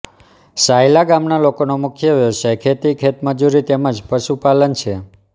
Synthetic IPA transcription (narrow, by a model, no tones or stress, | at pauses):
sajlaɡamnalokonomukʰjəʋjoʃəkʰet̪ikʰet̪məd͡ʒuɾit̪eməd͡ʒpəʃupalənt͡ʃʰe